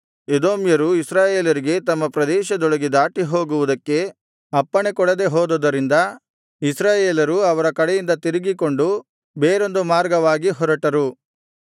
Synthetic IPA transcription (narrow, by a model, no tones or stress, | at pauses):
ed̪o̞ːmjɐɾuisɾaːjeːlɐɾiɡe̞t̪ɐmːɐpɾɐd̪ɛːʃɐd̪ɔɭɐɡid̪aːʈiɦo̞ːɡuʋud̪ɐkːe̞ | ɐpːɐɳekɔɽɐd̪e̞ɦoːd̪od̪ɐɾind̪ɐ | isɾaːjeːlɐɾuɐʋɐɾɐkɐɽejind̪ɐt̪iɾiɡiko̞ɳɖu | beːɾo̞nd̪umaːɾɡɐʋaːɡiɦɔɾɐʈɐɾu